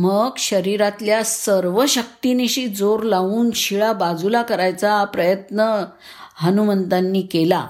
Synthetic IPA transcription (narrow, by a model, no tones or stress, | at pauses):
məɡɕəɾiɾat̪ljasəɾʋəɕək̚t̪ineɕid͡zoɾlauːnɕiɭabad͡zulakəɾajt͡sapɾəjət̪nə | ɦənumənd̪anːiːkela